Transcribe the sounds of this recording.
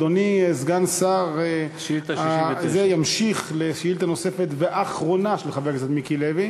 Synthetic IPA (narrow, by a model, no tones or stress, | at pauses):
doniezɡansaʁe | azejamʃiχleʃjilt̪ano̞se̞fet̪veʔaχʁo̞naʃelχavekzat̪mikilevi